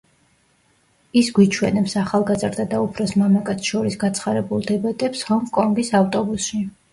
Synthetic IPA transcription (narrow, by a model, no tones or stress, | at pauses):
isɡwit͡ʃʰwɛnɛpsaχalˠɡazɾd̪ad̪aupʰɾɔsmamakʼat̪sʰʃɔɾisɡat̪sʰχaɾɛbulˠd̪ɛbat̪ʼɛpshɔŋkʼɔŋɡisaft̪ʼɔbusʃi